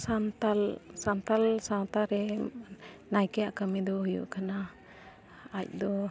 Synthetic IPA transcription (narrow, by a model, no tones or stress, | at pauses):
sant̪alsant̪alsawt̪aɾɛ | najkɛjaʔkəmɛd̪ɔɦujṵʔkana | c̚d̪ɔ